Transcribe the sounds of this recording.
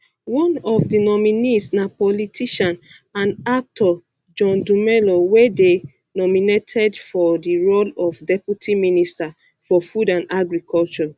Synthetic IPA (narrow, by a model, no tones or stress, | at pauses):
wɔ̃nɔfdinɔminisnapɔlitʰiʃãn | ãnak̚tʰɔ | d͡ʒɔ̃ndumɛlowede | nɔminetʰɛdfɔdiɹolɔfdɛpjutʰiminista | fɔfudãnaɡɹikʰɔlt͡ʃɔ